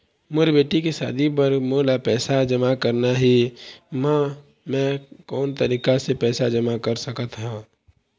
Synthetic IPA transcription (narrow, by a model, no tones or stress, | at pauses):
mʊɾbeːʈikesa̰ːd̪ʱip̬əɾmoːlapɛːsad͡ʒəmakəɾnaɦimã | mɛ̃kɔːnt̪əɾiːkasepɛːsad͡ʒəmakəɾsəkət̪ɦũː